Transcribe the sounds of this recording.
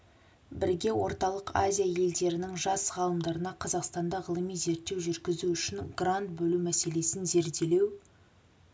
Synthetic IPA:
bɪɾɡʲe̞wo̞ɾt̪ɑlˠəqazʲijaje̞ld̪e̞ɾɪnɪŋʒɑsʁɑlˠəmd̪ɑɾənɑqʰɑzɑqst̪ɑnd̪ɑʁəlˠəmijze̞ɾt̪ːewʒʏɾɡʲɪzuʏʃɪnɡrant̪̚bɵlumæse̞le̞sɪnze̞ɾd̪e̞le̞w

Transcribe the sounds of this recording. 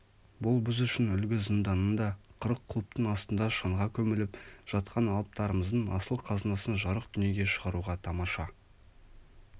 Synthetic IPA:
bʊlˠbɪzʏʃɪnʏlɡʲɪzənd̪ɑnənd̪ɑqʰəɾəqʰːlˠup̚t̪əɴɑst̪ənd̪ɑʃɑɴʁɑkʲʰɵmɪlɪpʒ̥ɑt̪̚qʰɑnɑlˠəp̚t̪ɑɾəməzd̪əɴɑ̰səlˠqʰɑznɑsənʒɑɾəqd̪ʏnje̞ɡʲe̞ʃəʁɑɾuʁɑt̪ʰɑmɑʃɑ

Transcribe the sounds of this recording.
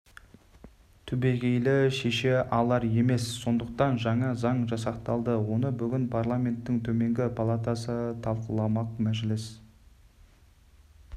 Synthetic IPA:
t̪ʰʏbe̞ɡʲe̞jlɪʃe̞ʃe̞ʔɑlˠɑɾje̞me̞sːo̞nd̪əq̚t̪ɑnʒɑɴɑzɑɴʒɑsɑqt̪ɑlˠd̪əwo̞nəbʏɡʲɪnpʰaɾrlˠamʲe̞nt̪ːɪŋt̪ʰɵme̞ŋɡʲɪpʰalˠat̪asət̪ʰɑlˠqəlˠɑmɑq̚mæʒlɪs

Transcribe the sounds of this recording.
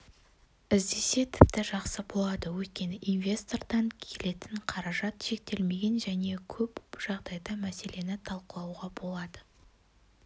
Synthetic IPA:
ɪzd̪e̞se̞t̪ʰɪp̚t̪ɪʒɑqsəbo̞lˠɑd̪əwɵt̪̚kʲe̞nɪʔinvʲe̞st̪o̞rd̪ɑŋkʲʰe̞le̞t̪ɪɴqʰɑɾɑʒɑt̪ʃe̞k̚t̪e̞lme̞ɡʲe̞nʒæne̞kʲʰɵpʒ̥ɑʁd̪ɑjd̪ɑmæse̞le̞nɪt̪ʰɑlˠqəlˠɑwʁɑbo̞lˠɑd̪ə

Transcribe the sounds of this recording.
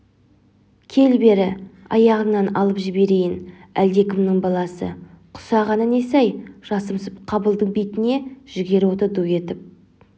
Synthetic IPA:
kʲʰe̞lbe̞ɾɪ | ɑjɑʁənɑnɑ̰lˠəpʒɪbe̞ɾejɪnæld̪e̞kʲɪmnɪɴbɑlˠɑsə̰ | qʰʊ̥sɑʁɑnəne̞sæjʒ̥ɑsəmsəpqʰɑbəlˠd̪əɴbet̪ɪne̞ʒ̥ɪɡʲe̞ɾo̞t̪əɾd̪ue̞t̪ɪp̚

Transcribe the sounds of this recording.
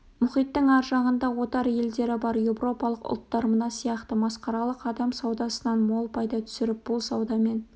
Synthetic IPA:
mʊχijt̪ːəŋɑɾʒɑʁənd̪ɑwo̞t̪ɑɾje̞ld̪e̞ɾɪbɑɾjewro̞pɑlˠəqʊ̰lˠt̪ːɑɾmənɑsijɑqt̪əmɑsqɑɾɑlˠəqɑd̪ɑmsɑwd̪ɑsənɑnmo̞lˠpʰɑjd̪ɑt̪ʰʏ̥sɪɾɪp̚b̥ʊlˠsɑwd̪ɑme̞n

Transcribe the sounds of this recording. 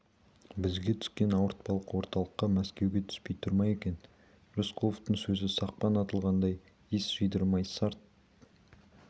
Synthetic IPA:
bɪzɡʲe̞t̪ʰʏ̥skʲe̞nɑwəɾt̪̚pɑlˠəqwo̞ɾt̪ɑlˠəqːɑmæskʲe̞wɡʲe̞t̪ʰʏ̥spe̞jt̪ʰʊɾmɑje̞kʲe̞n | ɾuskʰoft̪əɴsɵzɪsɑq̚pɑnɑt̪əlˠʁɑnd̪ɑj | isʒ̥əjd̪əɾmɑjsɑɾt̪̚

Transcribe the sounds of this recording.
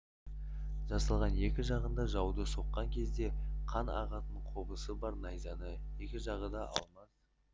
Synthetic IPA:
ʒ̥ɑsɑlˠʁɑne̞kʲɪʒɑʁənd̪ɑʒɑwd̪əso̞qːɑŋkʲʰe̞zd̪e̞qʰɑnɑ̰ʁɑt̪əɴqʰobəsəbɑɾnɑjzɑnəje̞kʲɪʒɑʁəd̪ɑʔɑ̰lˠmɑs

